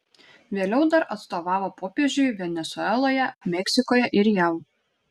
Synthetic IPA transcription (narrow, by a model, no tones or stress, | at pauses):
ʋʲeːlʲɛʊd̪ɐɾʔɐt̪st̪oːʋɑːʋoːpoːpʲeːʒʲʊɪʋʲɛnʲɛsʊɛlˠoːjɛmʲɛksʲɪkoːjɛʔɪɾjɛʊ